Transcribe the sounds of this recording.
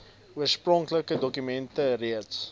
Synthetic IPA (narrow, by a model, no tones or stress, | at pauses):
uərsprɔŋkləkədɔkymɛntəriəts